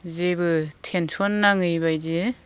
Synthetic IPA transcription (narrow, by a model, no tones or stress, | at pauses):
zebɯtʰensʰɔnːaŋɯjbajze